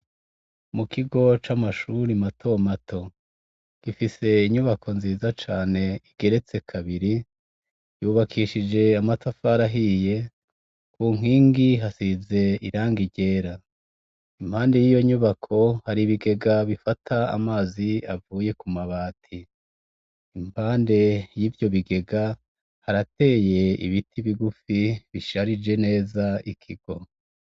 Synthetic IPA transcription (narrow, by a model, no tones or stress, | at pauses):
mukiɡo̞t͡ʃamaʃuːɾimatʰo̞matʰo̞ | ɡ̥ifise̞iɲuβakʰo̞nziːzat͡ʃaːne̞iɡ̥e̞ɾe̞t͡se̞kʰaβiɾi | juːβakʰiːʃid͡ʒe̞amatafaɾaɦije̞ | kuːŋ̥iːŋɡiɦasize̞iɾaːŋɡiɟe̞ːɾa | imphaːnde̞jijo̞ɲuβakʰo̞haɾiβiɡe̞ɡaβifatʰaa̰maːziavuːje̞kumaβaːtʰi | impaːnde̞jiːvjo̞βiɡe̞ɡa | haɾate̞ːje̞ḭβitʰiβiɡufiβiʃaɾid͡ʒe̞ne̞ːzaikʰiɡ̥o̞